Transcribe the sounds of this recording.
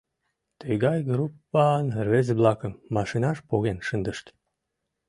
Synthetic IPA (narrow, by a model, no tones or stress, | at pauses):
t̪ejɡɑjɡɾupːɑnrvezblɑkəmːɑʃinɑʃpoɣenʃənd̪əʃt̪